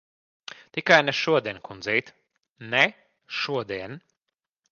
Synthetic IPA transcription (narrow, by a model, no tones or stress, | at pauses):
t̪ikajnɛʃuɔd̪iɛnkund̪zɛjt̪ | nɛ | ʃuɔd̪iɛn